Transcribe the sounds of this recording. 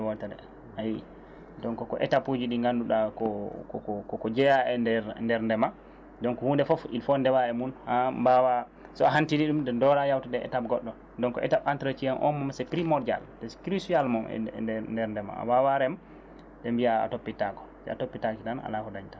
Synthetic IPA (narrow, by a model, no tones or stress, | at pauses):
wɔltadɛ̰ | haji | dɔŋkɔkɔʔɛ̰tapud͡ʒiɗiŋɡanduɗakɔkɔkɔkɔkɔd͡ʒɛjaɛndɛɾndɛɾndɛma | dɔŋkɔhundɛfɔfḭlfɔndɛwaɛmunhambawa | sɔaɦantiniɗumdɛndɔɾajawtadɛɛ̰tap̚ɡɔɗːɔ | dɔnkɔ̰ʔɛ̰tapantɾat͡ʃianʔɔ̰mːɔmsɛpɾimɔɾa̰ldɛskɾisualmɔɛ̰ɛndɛɾndɛma̰a̰wawaɾɛm | dɛmbia̰ːtopːitakɔ̥sɛa̰topːitakidana̰lahɔdaɲtḁ